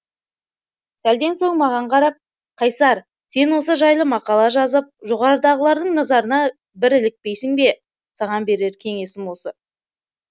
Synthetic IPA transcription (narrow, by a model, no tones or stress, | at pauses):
sæld̪e̞nso̞ŋmɑʁɑɴqʰɑɾɑp̚ | qʰɑjsɑɾ | se̞nwo̞s̬əʒɑjlˠəmɑqɑlˠɑʒɑzəp̚ʒo̞ʁɑɾəd̪ɑʁəlˠɑɾd̪əɴnɑzɑɾənɑ | bɪɾɪlɪk̚pe̞jsɪŋbe̞ | sɑʁɑnbe̞ɾe̞ɾkʲʰe̞ŋe̞sɪŋwo̞sə